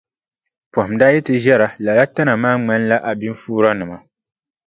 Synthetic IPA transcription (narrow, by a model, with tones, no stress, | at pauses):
pɔ˨hʊ˨mdaː˦jɛ˦tɨ˦ʒɛ˦ɾa˨la˨la˦ta˦na˨maː˦ŋ͡ma˦nla˦ʔa˨bi˦ɱ˦fuː˦ɾa˦nɨ˨ma˨